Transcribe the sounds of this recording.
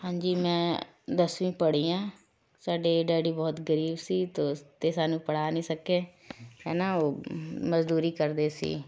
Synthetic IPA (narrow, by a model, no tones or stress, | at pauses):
hãːɲd͡ʒiːmɛ̃ː | d̪əsʋĩːpəɽiːãː | saːɖeːɖɛːɖiːbɔːt̪ɡəɾiːbsiːt̪oːt̪eːsaːnũːpəɽaːnĩːsəkeː | ɦɛ̰ːnaːoːməzd̪uːɾiːkəɾd̪eːsḭː